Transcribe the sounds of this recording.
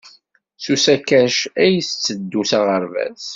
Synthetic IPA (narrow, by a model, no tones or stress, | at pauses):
susækːæʃæjəst͡sːəd̪ːusaʁəɾvæ̰z